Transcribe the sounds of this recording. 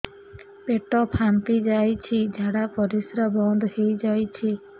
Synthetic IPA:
peʈɔpʰant̪id͡ʒajt͡ʃʰid͡ʒʱaɽapɔɾisɾɔbɔnd̪hejd͡ʒajt͡ʃʰi

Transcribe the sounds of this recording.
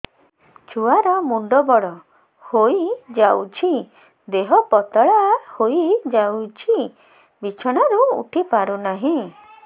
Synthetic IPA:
t͡ʃʰuaɾɔmuɳɖɔbɔɽɔ | hojd͡ʒawt͡ʃʰi | d̪eɦɔpɔt̪ɔɭahoid͡ʒawt͡ʃʰi | bit͡ʃʰɔɽ̃aɾuṵʈʰipaɾunaɦĩ

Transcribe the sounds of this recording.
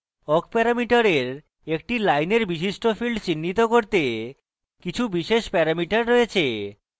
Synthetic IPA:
ɔkpɛɾamiʈaɾeɾ | ek̚ʈilajneɾbiʃ̬iʃʈofilɖt͡ɕinːit̪okoɾt̪e | kit͡ɕʰubiʃeʃpɛɾamiʈaɾːojet͡ɕʰe

